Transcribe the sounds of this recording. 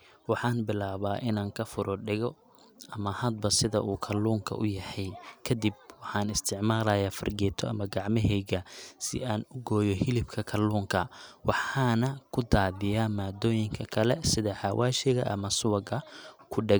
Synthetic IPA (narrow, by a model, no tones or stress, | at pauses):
wɑħɑːnbɪlaːβaːʔɪnaːŋkʰɐfʊɾʔɔɖɪɣɔ | ʔɐmɐhɐd̪̚bɐsɪðɐ̰ʔuːkʰɐlːuːŋkʰɐ̰ʔʊjɐhɛjkʰɐd̪ɪb̚wɑħɑːnɪst̪ʰɪʕmaːlɐjaːfɐ̰rɡɛːt̪ʰɔɐ̰mɐɡɑʕmɪɦɛjɣɐsɪ̰aːnʊɡɔːjɔhɪlɪbkʰɐkʰɐluːŋkʰɐwɑħɑːnɐkʰʊd̪aːðɪjaːmaːd̪ɔːjɪŋkʰɐkʰɐlɛsɪðɐħɑwʔaːʃɪɣɐ̰ʔɐ̰mɐsʊwɐɡɐkʰʊɖɛɡ